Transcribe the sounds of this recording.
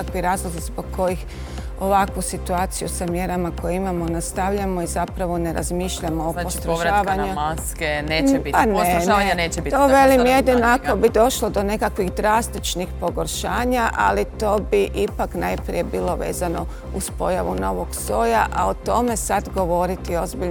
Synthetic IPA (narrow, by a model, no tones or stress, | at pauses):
akʋiɾaːzlˠozizboɡ̚kʰo̞jix | o̞ʋakʋusit̪uaːt̪sijusamje̞ɾamako̞jeimamo̞nast̪aʋʎamo̞izapɾaʋo̞ne̞ɾa̰zmiʃʎamoːposst̪ɾaːʋaɲuskeneːpanenneːt͡ʃbit̪oʋe̞limjed̪inoakobid̪o̞ʃlod̪o̞ne̞kakʋixd̪ɾast̪it͡ʃnixpo̞ɡo̞ɾʃaːɲaʔa̰lit̪o̞ːbiʔipaknajpɾḭje̞biːlˠo̞ʋe̞̰ːzano̞ | uspo̞jaʋuno̞ʋo̞ɡso̞ːjaʔaot̪o̞me̞sad̪ɡo̞ʋo̞ɾit̪io̞zbiʎ